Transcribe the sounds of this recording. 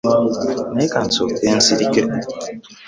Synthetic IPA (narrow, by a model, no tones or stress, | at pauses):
nekansoen̩siɾike